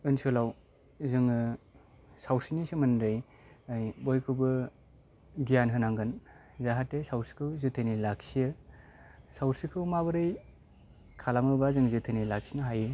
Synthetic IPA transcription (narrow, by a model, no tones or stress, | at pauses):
ɯnsɯlaw | zɯŋ | sawsinisɯmɯnɾɯj | ajbɔjkʰɯbɯ | ɡijanɦɯnaŋɡɯnzaɦatːesawɾsi̥kʰɯwzɯtʰenilak̚sijɯ | sawɾsikʰɯwmabɯɾɯj | kʰalamɯbazɯŋzɯtʰɯnilak̚sinaɦajɯ